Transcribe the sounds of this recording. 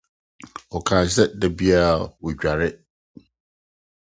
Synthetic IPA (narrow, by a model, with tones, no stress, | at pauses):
ɔ˨kʰãː˨ɕ̬ɛ˦dɛ˨bi˦a˦˨wʊ˨ɟᶣa˨ɾɪ˦